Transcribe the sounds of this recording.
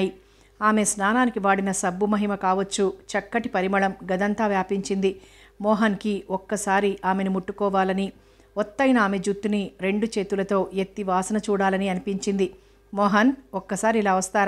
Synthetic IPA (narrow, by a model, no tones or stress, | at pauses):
ji | aːme̞snaːnaːnikiʋaːɽinɐsɐbːumɐɦimɐkaːʋɐt͡ʃːut͡ʃɐkːɐʈipɐɾimɐɭɐmɡɐd̪ɐnt̪aːʋjaːpiɲt͡ʃind̪i | mɔːɦɐnkiɔkːɐsaːɾiʔaːme̞nimuʈːukɔːʋaːlɐni | ɔt̪ːɐjnɐaːme̞d͡ʒut̪ːuniɾe̞ɳɖut͡ʃe̞ːt̪ulɐt̪o̞ːet̪ːiʋaːsɐnɐt͡ʃuːɽaːlɐniɐnipiɲt͡ʃind̪i | mɔːɦɐnɔkːɐsaːɾiːlaːʋɐst̪aːɾ